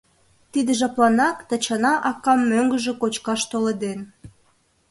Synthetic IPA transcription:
t̪id̪əʒɑplɑnɑkt̪ət͡ɕɑnɑʔɑkɑmːøŋɡəʒĕkot͡ɕkɑʃt̪oled̪en

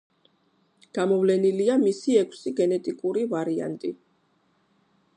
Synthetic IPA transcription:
ɡ̥amɔvlɛniliamisiɛkʷʰsiɡɛnɛt̪ʼikʼuɾivaɾia̰nt̪ʼi

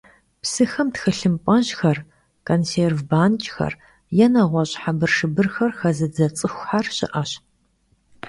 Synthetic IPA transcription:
psɨxɐmtxɨɬɨmpʼɐʑxɐr | kʰʼonseːrvbaːnt͡ʃʼxɐ̰r | jɛnɐʁʷɔɕʼħabɨrʂɨbɨrxɐrxɐzɨd͡zɐt͡sʼɨxʷħarɕɪ̰ʔɐɕ

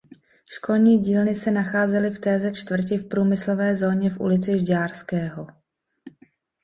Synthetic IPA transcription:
ʃko̞lɲiːɟiːlnɪsɛnaxaːzɛlɪft̪ɛːzɛt͡ʃt̪vr̩c̬ɪfpɾuːmɪslo̞vɛːzo̞ːɲɛfʔṵlɪt͡sɪʒɟaːɾskɛːɦo

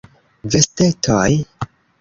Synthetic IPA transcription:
veste̞tʰoj

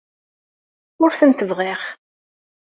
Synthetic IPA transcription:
ʊɾθənt̪əvʁɪʁ

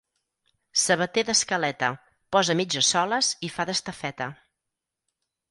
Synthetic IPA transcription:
səβət̪eðəskəlɛt̪ə | pɔzəmid͡ʒəsɔləzifaðəst̪əfɛt̪ə

